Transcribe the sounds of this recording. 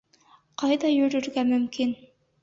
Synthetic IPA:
qʰɑjd̪ɑjɵɾɵɾɡæmɵmkʲin

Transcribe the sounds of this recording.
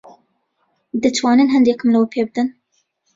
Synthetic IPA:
d̪ɨt͡ʃʰwɑːnenɦɛnd̪eːkɨmlɨwəpʰeːbɨd̪ɨn

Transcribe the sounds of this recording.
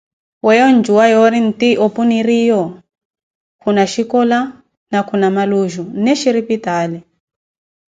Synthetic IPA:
wɛjɔnd͡ʒuwajɔɾin̩tiʔɔpuniɾijɔ | kʰunaʃikɔla | nakunamaluʒunɛʃiɾipitaːlɛ

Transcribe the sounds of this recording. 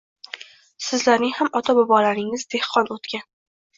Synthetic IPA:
sɪzlaɾnɪŋhamɒt̪ʰabɒbɒlaɾɪŋɪzd̪e̞hqʰɒnot̪kʲan

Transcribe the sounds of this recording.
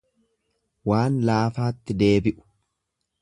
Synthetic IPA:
waːnlaːfaːt̪ːɪd̪e̞ːbɪʔʊ̥

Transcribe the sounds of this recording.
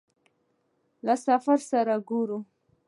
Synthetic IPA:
lasafaɾsaɾaɡoɾu

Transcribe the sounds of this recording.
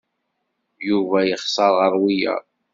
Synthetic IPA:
juvæjəχsˤɑɾˤʁəɾˤwijæ̰

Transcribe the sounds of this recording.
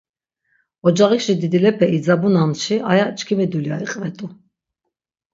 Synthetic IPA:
ɔd͡ʒaʁikʃid̪id̪ilɛpʰɛid͡zabunanʃiʔajat͡ʃʰkʰimid̪uljaɾiqʼvɛt̪ʼu

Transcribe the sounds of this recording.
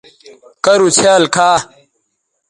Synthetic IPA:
kɐɾut͡sʰeːlkʰaː

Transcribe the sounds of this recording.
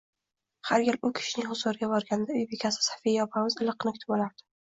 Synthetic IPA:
haɾɡʲalʊkʲʰɪ̥ʃɪnɪŋhʊzʊɾɪɡʲabɒɾɡʲanɪd̪aʊjbekʲʰasɪ̥sḁfijjɒpʰamɪzɪlˠɨqːnɪkʰʊt̪ʰɪbɒlaɾd̪ɪ̥

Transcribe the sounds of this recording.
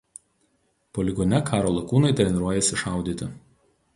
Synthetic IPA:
pɔlʲɪɡɔnʲɛkʰɑːɾoːlˠɐkuːnɐɪt̪ʲɾʲɛnʲɪɾuɔjɛsʲɪʃɑˑʊd̪ʲiːt̪ʲɪ

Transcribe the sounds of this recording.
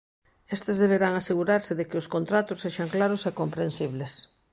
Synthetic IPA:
est̪ezðeβ̞eɾaŋaseɣuɾaɾsɪðekɪʊskont̪ɾat̪ʊsːeʃaŋklaɾʊsekompɾensiβles

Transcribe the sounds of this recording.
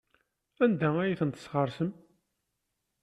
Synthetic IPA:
ænd̪ææjiθənt̪ə̥sʁəɾˤsəm

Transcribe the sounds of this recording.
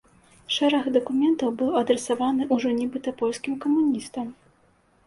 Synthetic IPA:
ʂɛɾɐxd̪ɐkumʲɛnt̪ɐwbɨwɐd̪ɾɛsavanɨʔuʐɔnʲɛbɨt̪ɐpɔlʲskʲimkɐmunʲist̪ɐm

